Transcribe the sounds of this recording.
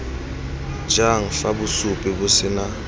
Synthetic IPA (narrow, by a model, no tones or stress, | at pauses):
d͡ʒaŋ̩fabʊsʊpʼɪbʊsɪna